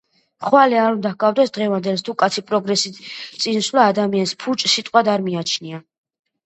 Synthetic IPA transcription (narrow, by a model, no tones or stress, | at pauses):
χwalɛaɾund̪ahɡavd̪ɛsd̪ʁɛvand̪ɛlst̪ʰukʼat̪sʰipʼɾɔɡɾɛsit̪sʼinswlaːd̪amianspʰut͡ʃʼsit̪ʼqʼwad̪aɾmiat͡ʃʰnia